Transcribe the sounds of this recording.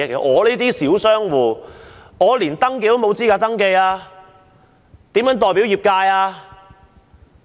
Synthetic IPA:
kḛ˨˩˧ŋɔː˨˧liː˥t̪iː˥siː˨˥wsœː˥ŋwuː˨˧ŋɔː˨˧liː˨˩nt̪ɐ˥ŋke˧jt̪o˥wmo˨˧wt͡siː˥kaː˧t̪ɐ˥ŋke˧jaː˧ | t̪iː˨˥mjœː˨˥ŋt̪ɔː˨˩jpi˨˥wjiː˨p̚kaː˧jaː˧

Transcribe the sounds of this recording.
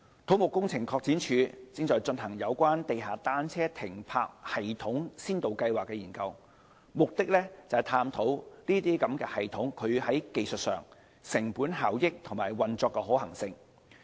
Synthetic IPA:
t̪ʰo˨˥wmʊ˨˩kːʊ˥ŋt͡sʰɪ˨˩ŋkʰɔː˧k̚t͡siː˨˥nt͡ʃʰyː˨˧t͡sɪ˧ŋt͡sɔː˨˧jt͡sɵ˧nɦɐ˨˩ŋjɐ˨˧wkʷaː˥nt̪e˨jɦaː˨t̪aː˥nt͡sʰɛː˥t̪ʰɪ˨˩ŋpʰa̰ː˧k̚hɐ˨jt̪ʰʊ˨˥ŋsiː˥nt̪o˨wkɐ˧jwaː˨kːɛː˧jiː˨˩nkɐ˧w | mʊ˨k̚t̪ɪ˥k̚lɛː˥t͡sɐ˨ɐ˨˩t̪ʰaː˧mt̪ʰo˨˥wliː˥t̪iː˥kɐ˨˥mkɛː˧hɐ˨jt̪ʰʊ˨˥ŋkʰɵ˨˧ɥhɐ˨˥jke˨˧jsɵ˨t̚sœ̰ː˨˩ŋ | sɪ˨˩ŋpuː˨˥nɦaː˨wjɪ˥k̚t̪ʰʊ˨˩ŋmaː˨˩jwɐ˨nt͡sɔː˧kːɛː˧ɦɔː˨˥ɦɐ˨˩ŋsɪ˧ŋ

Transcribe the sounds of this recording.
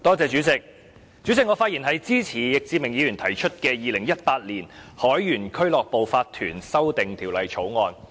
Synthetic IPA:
t̪ɔː˥t͡sɛː˨˧t͡ʃyː˨˥t͡sɪ˨k̚ | t͡syː˨˥t͡sɪ˨kŋɔː˨˧faː˧t̚i˨˩nɦɐ˨jt͡siː˥t͡sʰiː˨˩jɪ˨k̚t͡siː˧mɪ˨˩ŋjiː˨˧ɥyː˨˩nt̪ʰɐ˨˩jt͡ʃʰɵ˥t̚kɛː˧jiː˨˧lɪ˨˩ŋjɐ˥t̚paː˧t̚liː˨˩nhɔː˨˥jjyː˨˩nkʰɵ˥ɥlɔː˨k̚po˨wfaː˧t̪ʰyː˨˩nsɐ˥wt̪ɪ˨ŋt̪ʰiː˨˩wlɐ˨jt͡ʃʰo˨˥wŋɔː˧n

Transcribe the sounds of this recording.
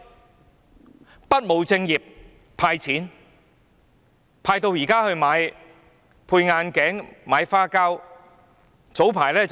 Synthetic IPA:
pɐ˥t̚mo˨˧wt͡sɪ˧ŋjiː˨˩p̚ | pʰaː˧jt͡sʰiː˨˥n | pʰaː˧jt̪o˧wjiː˨˩kaː˥hɵ˧ɥmaː˨˧j | pʰuː˧jŋaː˧nkɛː˨˥ŋmaː˨˧jfaː˥kaː˥w | t͡so˨˥wpʰaː˨˩jlɛː˥t͡s

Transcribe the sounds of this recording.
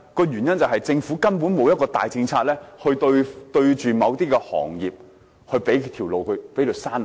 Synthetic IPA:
kɔː˧jyː˨˩njɐ˥nt͡sɐ˨˩wɦɐ˨jt͡sɪ˧ŋfuː˨˥kɐ˥npuː˨˥nmo˨˧wjɐ˥kɔː˧t̪a̰ː˨jt͡sɪ˧ŋt͡sʰaː˧t̚lɛː˥hɵ˧t̪ɵ˧ɥt̪ɵ˧ɥt͡ʃyː˨mɐ˨˧wt̪iː˥kɛː˧hɔ̰ː˨˩ŋjiː˨p̚ | hɵ˧pe˨˥jt̪ʰiː˨˩wlo˨wkʰɵ˨˧ɥpe˨˥jkɵ˧saː˥n˨

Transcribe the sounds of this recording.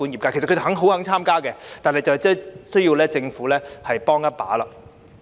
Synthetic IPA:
uː˨˥njiː˨pkaː˧˥kʰe˨˩skʰt̪ʰe˨˩ɦɐ˨˥ŋɦo˨˥whɐ˨˥ŋt͡sʰaː˥mkaː˥kɛ˧t̪aː˨nɦɐ˨jt͡sɐ˨wt͡sɛː˥sɵ˥ɥji˧wlɛː˥t͡sɪ˧ŋfuː˨˥lɛː˥hɐ˨jpɔː˥ŋjɐ˥t̚pa̰ː˨˥la̰ː˨˧

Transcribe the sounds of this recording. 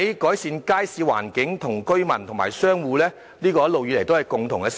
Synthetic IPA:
kɔː˨˥jsiː˧nkaː˥jsiː˨˧wa̰ː˨˩nkɪ˨˥ŋt̪ʰʊ˨˩ŋkɵ˥ɥmɐ˨˩nt̪ʰʊ˨˩ŋmaː˨˩jsœː˥ŋwuː˧lɛː˥ | liː˥kɔː˧jɐ˥lo˨wjyː˧le˨˩jt̪o˥whɐ˨jkʊ˨ŋt̪ʰʊ˨˩ŋkɛ˧s

